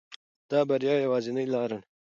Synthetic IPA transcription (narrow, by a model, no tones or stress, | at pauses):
t̪aːbɐɾjaːjewaːzinɐjlaːɾɐɳ